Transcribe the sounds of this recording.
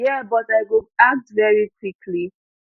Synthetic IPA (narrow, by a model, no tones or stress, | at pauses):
jɛbɔtaɪɡoak̚dvɛɹikʰwikʰli